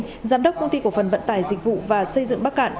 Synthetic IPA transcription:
zaː˨˧˦mɗə˦˥k͡p̚kə˧ŋ͡mt̪i˧ku˧˩fə˨˩nvə̰˧˥nt̪aː˧˩jzï˨˩k̟̚vṵ˧˨vaː˨˩sə˧jzɨ̰˧˨ŋɓa˦˥k̚ʔa̰ː˧˨n

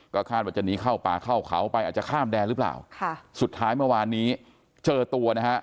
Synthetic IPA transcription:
kɔː˥˩kʰaː˥˩waː˧˩t͡ɕa˨˩niː˦˥kʰa˥˩wpa̰ː˨˧kʰa˥˩wkʰa̰˩˦wpa˧jʔaː˨˩t̪t͡ɕa˨˩kʰaː˥˩mdɛː˧nɾɯː˦˥pla̰ː˨˩wkʰa˥˩su˨˩t̪ʰːaː˦˥jmɯ˥˩ɐwaː˧nːiː˦˥ | t͡ɕɤː˧t̪u˧ɐna˦˥kʰa˦˥ʔ

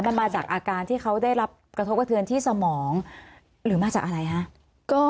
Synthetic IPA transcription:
ma˧nmaː˧t͡ɕaː˨˩k̚ʔaː˧kaː˧nt̪ʰiː˥˩kʰa˦˥wda˥˩jɾa˦˥p̚kɾʰo˦˥p̚ka˧t̪ʰɯ˧ənt̪ʰiː˥˩sa˧mɔː˩˦ŋ | ɾɯː˩˦maː˧t͡ɕaː˨˩k̚ʔa˧ɾa˧jkʰa˦˥ʔ | kɔː˥˩

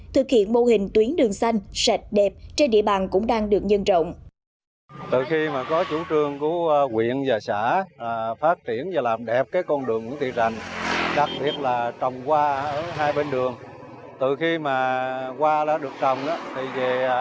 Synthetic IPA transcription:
t̪ʰɨ˨˩k̚hḭ˧˨ənmo˧hï˨˩ŋ̟t̪wi˨˦ənɗɨ˨˩əŋsa˧jŋ̟sɛ˨˩t̚ɗɛ˨˩p̚t͡ɕe˧nɗḭ˧˨əɓaː˨˩nkʊ̰˧˥ŋ͡mɗaː˧ŋɗɨ˨˩ək̚ɲə˧nt͡ɕə̰˧˨wŋ͡m | t̪ɨ˧˨˩xi˧maː˨˩kɔ˨˦t͡ɕu˧˩t͡ɕɨ˧əŋku˧˨˦kwḭ˧˨ənzaː˨˩saː˧˩˨faː˦˥t̚t͡ɕi˧˩ənaː˨˩laː˨˩mɗɛ˨˩p̚kaː˨˦jkɔ˧nɗɨ˨˩əŋːu˧˥˦t̪ʰḭ˧˨˩a̰˨˩jŋɗa˨˩k̚ɓi˨˩ət̚laː˨˩t͡ɕə˨˩wŋ͡mkwaː˧ʔʔəː˧˩ɦaː˧jɓe˧nɗɨ˨˩əŋ | t̪ɨ˨˩xi˧maː˨˩kwaː˧ɗa̰ː˧˥ɗɨ˨˩ək̚t͡ɕə˨˩wŋ͡mɗa̰ː˨˦t̪ʰi˨˩ve˨˩

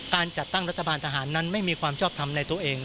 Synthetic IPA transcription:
kaː˧nt͡ɕa˨˩t̪ːa˥˩ŋɾa˦˥t̪ʰːa˧baː˧nt̪ʰaː˧ɦaː˩˦nːa˦˥nma˥˩jmiː˧kʰwaː˧mt͡ɕʰɔː˥˩p̚t̪ʰa˧mna˧jt̪u˧ɐʔeː˧ŋ

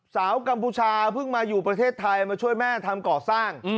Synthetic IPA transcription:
saː˩˦wka˧mpʰuː˧t͡ɕʰaː˧pʰɯ˥˩ŋmaː˧juː˨˩pɾa˧t̪ʰeː˥˩t̪ʰːa˧jmaː˧t͡ɕʰu˥˩əjmɛː˥˩t̪ʰa˧mkɔː˨˩saː˥˩ŋ˧

